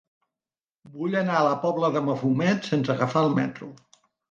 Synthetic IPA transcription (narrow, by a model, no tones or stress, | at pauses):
buʎənaələpɔβləðəməfumɛt̪sensəɣəfaəlˠmɛ̰t̪ɾṵ